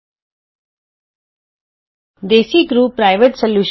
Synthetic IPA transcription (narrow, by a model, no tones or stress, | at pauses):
d̪eːsikɾuːpːɾaːɪʋeʈsəljuːʃ